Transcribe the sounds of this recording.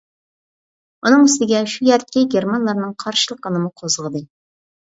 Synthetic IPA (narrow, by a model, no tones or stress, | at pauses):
unɨŋyst̪ɪɡʲɛʃujɛɾt̪̚kʲiɡʲeɾmɑnlˠɑɾnɨŋqʰɑɾʃɨlˠəqːənɨmuqʰozəʁəd̪ɨ